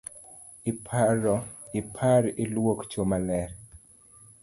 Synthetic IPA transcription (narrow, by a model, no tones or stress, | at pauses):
ɪpʰaɾɔɪpʰaɾɪlwokt͡ʃomalɛɾ